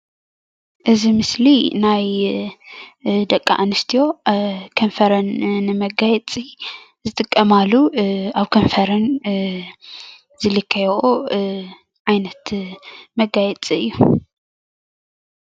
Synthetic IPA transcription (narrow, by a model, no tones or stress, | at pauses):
ʔɨzimɨslinaj | d̪ɐkʼːa̰ʔanɨst̪ʰijo̞kʰɐnfɐɾɐnːɨmɐɡajɛt͡sʼi | zɨt̪ʼɨkʼːɐmalːuaβkʰonfɐɾɐn | zɨlɨkʰːɐjʔo | ʕajnɐt̪mɐɡajɛt͡sʼiɨjːu